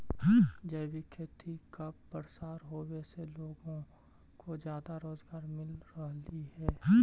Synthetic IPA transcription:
d͡ʒəɪʋɪkʰːjət̪ʰikɐbpəɾsaːɾɦoːweseloːɡõ | kod͡ʒjaːd̪aɾoːzɡaːɾmɪlɾəɦliɦɛː

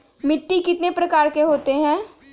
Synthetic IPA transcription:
mɪʈːikɪt̪nepɾɐkaːɾkeɦoːt̪eɦɛ̃ː

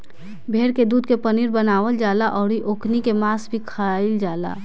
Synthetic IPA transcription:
bʱeːɽked̪uːd̪̚ʱkepəniɾbənaːʋəld͡ʒaːlaʔɔːɾiʔoːkʰnikemaːsbʱikʰaaːɪld͡ʒaːla̰ː

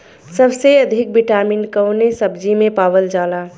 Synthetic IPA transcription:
səbseəd̪ʱɪk̚biʈaːminkəwnesəbd͡ʒimẽpaːbəld͡ʒaːla

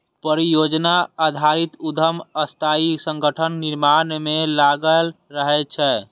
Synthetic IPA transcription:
pəɾijod͡ʒnaad̪ʱaɾit̪ud̪ʱəməst̪ʰaisə̃ŋɡəʈʰənːiɾmanmelaɡəlɾəɦɛt͡ʃʰɛ

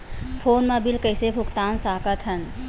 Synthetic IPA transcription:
pʰoːnmãbɪlkəɪsebʱʊkt̪aːnsaːkət̪ʰɦɐn

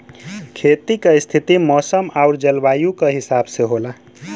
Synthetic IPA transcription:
kʰet̪ikest̪ʰit̪imɔsəmauɾd͡ʒəlbajukeɦisabseɦola

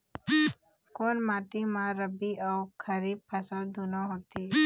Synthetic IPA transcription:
konmaːʈimãɾəbiawkʰəɾiːb̚pʰəsəld̪unaɦot̪i

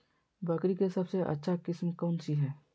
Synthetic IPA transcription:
baːkɾikesɐbseʔɐ̰tːʃʰakɪsmkɔːnsiɦɛː

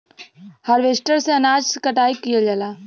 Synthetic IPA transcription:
həɾʋeːsʈəɾseɐnaːd͡ʒskəʈaːikːijad͡ʒaːlaː

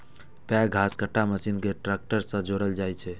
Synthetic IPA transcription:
paɡʱaskəʈʰːaməsinkeʈɾɛk̚ʈəɾsə̃d͡ʒoɾəld͡ʒajt͡ʃʰɛ

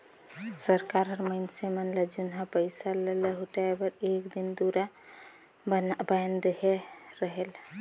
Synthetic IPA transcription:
səɾkaɾəɾməɪnsemənləd͡ʒunɦapəɪsalələɦuʈaebəɾekd̪ind̪uɾa | bajnd̪eɦeɾəɦel

